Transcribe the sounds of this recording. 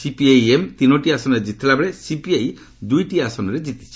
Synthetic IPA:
sipiajemt̪inoʈiasɔnɔɾed͡ʒit̪ʰilabɭesipiaj | d̪ujʈiasɔnɔɾed͡ʒit̪i̥t͡ʃʰi̥

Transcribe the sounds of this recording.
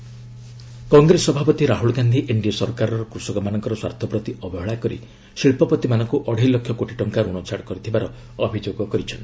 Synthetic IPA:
kɔŋɡɾesɔbʱapɔt̪iɾaɦuɭɡand̪ʱiʔeɳɖiɔsɔɾkaɾɔɾɔkɾusɔɡɔmanɔŋkɔɾɔswa̰ɾt̪ʰɔpɾɔt̪iɔbʱɔɦɔɭakɔɾḭ | ʃiɭpɔpɔt̪imanɔŋkuʔɔɽ̤ʱijlɔkʰjɔkoʈiʈɔŋkaɾunɔt͡ʃʰaɽkɔɾit̪ʰibaɾɔː | bʱid͡ʒoɡɔkɔɾit͡ʃʰɔni

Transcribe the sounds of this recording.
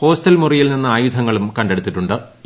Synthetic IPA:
po̞ːstɐlmurijilninːɨaːjud̪ʱɐŋːɐɭumkɐɳɖeɽut̪ːiʈːuɳɖɨ

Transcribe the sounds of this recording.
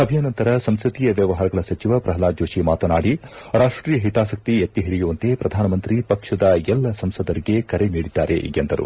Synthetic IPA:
ɐbʱijaːnɐnt̪ɐɾɐsɐmskɾut̪ijɐʋjɐʋɐɦaːɾɐɡɐɭɐsɐt͡ʃiʋɐpɾɐɦɐlaːd͡ʒoːʃimaːt̪ɐnaːɽiɾaːʂʈɾiːjɐɦit̪aːsɐk̚t̪iɐt̪ːiɦiɽijuʋɐnt̪e̞pɾɐd̪ʱaːnɐmɐnt̪ɾipɐkʂɐd̪ɐɛlːɐsɐmsɐd̪ɐɾiɡe̞kɐɾe̞niːɽid̪ːa̰ːɾḛʔḭɡend̪ɐɾṵ

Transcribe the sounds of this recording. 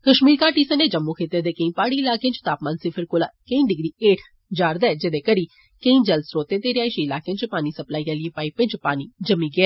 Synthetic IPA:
kəʃmiːɾkaːʈiːsəneːd͡ʒəmːuːkʰeːt̪eːd̪eːkəĩːpaːɽiːɪlaːkeãt͡ʃt̪aːpmaːnsɪpʰəɾkoːlaːkəĩːɖɪɡɾiːeːʈʰ | d͡ʒaːɾd̪ɛːd͡ʒed̪eːkəɾiː | kəĩːd͡ʒəlsɾoːt̪eːt̪eːɾɪjaːiʃiːɪlaːkeãt͡ʃpaːniːsəplaːiːãːləepaːiːpɪ̃nt͡ʃpaːniːd͡ʒəmːiːɡɪɛː

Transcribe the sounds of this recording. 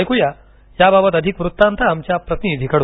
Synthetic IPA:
jkuja | jababət̪əd̪ʱikʋɾut̪ːant̪aːmt͡ɕjapɾət̪nid̪ʱikəɽ

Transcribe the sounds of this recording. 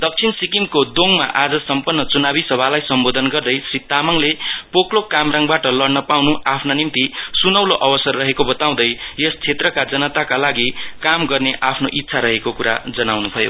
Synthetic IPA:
d̪ʌk̚t͡sʰinsikimkod̪oŋma̰ʔad͡zʌsʌmpʌnːʌt͡sunabisʌbʱalajsʌmbod̪ʱʌnɡʌrd̪ʌjsrit̪amʌŋlepoklokamrãŋɡbaʈʌlʌɽnʌpawnuapʰnanimt̪isunʌwloʔʌbʌsʌrːʌɦekobʌt̪aw̃d̪ʌjjest͡sʰet̪rʌkad͡zʌnʌt̪akalaɡikamɡʌrneʔapʰnoʔit̪ːsʰaɾʌɦekokuɾa̰d͡zʌnawnut̪ʰʌjo̰

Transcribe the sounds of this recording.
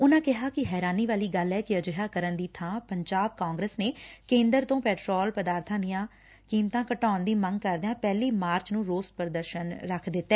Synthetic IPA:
ʊnãːkɪɦaːkɪɦɛːɾaːniːʋaːliːɡəlɛːkɪəd͡ʒɪɦaːkəɾənd̪iːt̪ʰãːpəɲd͡ʒaːb̚kãːŋɡɾəːsneːkẽːnd̪əɾt̪õːpɛːʈɾɔːlpəd̪aːɾt̪ʰãːd̪ɪjãː | kiːmt̪ãːkəʈaːnd̪iːməŋɡ̚kəɾd̪eãːpɛːliːmaːɾt͡ʃnũːɾoːspəɾd̪əɾʃənɾəkʰd̪ɪt̪ːɛː

